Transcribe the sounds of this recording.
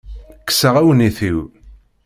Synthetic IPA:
kːə̥səʁæwəniθiw

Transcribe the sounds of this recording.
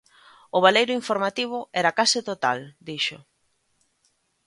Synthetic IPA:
ʊβalejɾʊiɱfoɾmat̪iβ̞ʊɛɾakasɪt̪ot̪ald̪iʃʊ

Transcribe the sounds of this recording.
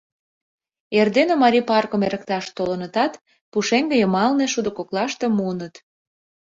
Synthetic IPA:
erd̪enomɑɾʲipɑrkomeɾə̆kt̪ɑʃt̪olənət̪ɑt̪ | puʃeŋɡəjəmɑlneʃud̪ŏkoklɑʃt̪emuənət̪

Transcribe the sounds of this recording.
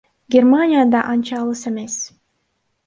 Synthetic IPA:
ɡʲermanʲijad̪ɑʔɑnt͡ʃɑlˠɯsemes

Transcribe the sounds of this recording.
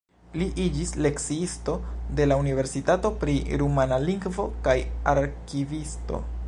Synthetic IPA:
liʔid͡ʒisle̞ksiisto̞de̞launive̞ɾsitato̞pɾiɾumanaliŋɡvo̞kajaɾkivisto̞̰

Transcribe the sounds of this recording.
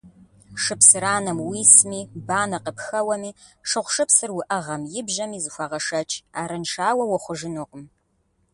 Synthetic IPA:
ʂɨpsɨɾaːnɐmwiːsmiːbaːnɐqəpxɐwɐmiː | ʂɨʁʷʂɨpsɨrwʊʔɐʁɐmjɪbʒɐmiːzɨxʷɑʁɐʂɐt͡ʃʰʼaːɾɐnʃaːwɐwɐχʷʊʒɪnoːqəm

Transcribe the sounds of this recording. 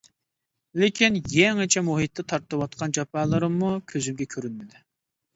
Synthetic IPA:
lɪkʲinjɛŋɨt͡ʃʰɛmuɦit̪ːɛt̪ʰɑɾt̪ɨwɑt̪̚qʰɑnd͡ʒɑpɑːlˠəɾɨmːukʲʰøzymɡʲɛkʲʰøɾynmɪd̪y

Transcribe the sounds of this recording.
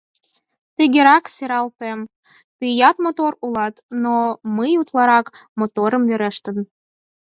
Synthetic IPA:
t̪əɣʲeɾɑkseɾɑlt̪em | t̪ijɑt̪mot̪oɾulɑt̪noməjut̪lˠɑɾɑkmot̪oɾə̆mveɾĕʃt̪ə̆n

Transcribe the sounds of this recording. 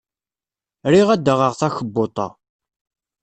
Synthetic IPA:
ɾiʁæd̪ːəʁəʁθæçəbːot̪ˤɑ̰

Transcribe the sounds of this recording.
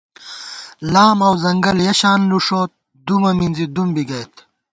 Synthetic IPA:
laːmɐwzɐŋɡɐljɐɕaːnluʂoːt̪̚ | d̪umɐminzid̪umbiɡɐjt̪

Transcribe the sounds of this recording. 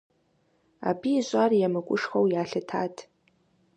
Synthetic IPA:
a̰biːʒʷʼarjamɨkʷʼʊʂχowjaːɬɨtʰatʼʰ

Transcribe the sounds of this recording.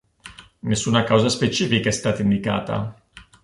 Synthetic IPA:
nesːuːnakawzaspet͡ʃiːfikaɛst̪aːt̪aind̪ika̰ːt̪a̰

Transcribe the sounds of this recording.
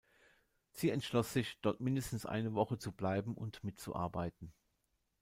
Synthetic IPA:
z̥iːɛntʃlɔsz̥ɪçd̥ɔɐtmɪndəstn̩sʔa̰ɪnəvɔχət͡sublaɪbm̩ʔʊ̰ntmɪtt͡sṵʔa̰ɐbaɪtn̩

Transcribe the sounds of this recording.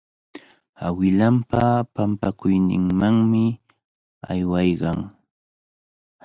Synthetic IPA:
awɪlampapampakʊjnɪ̰ŋmaŋmɪ | a̰jwɑjɢɑŋ

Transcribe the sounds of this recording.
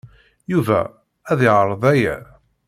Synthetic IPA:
juvæ̰ | æðɪʕəɾˤðˤæjæ̰

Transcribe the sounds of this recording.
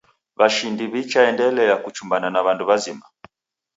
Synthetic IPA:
βaʃindiβit͡ʃaɛndɛlɛakut͡ʃumbananaβanduβazima

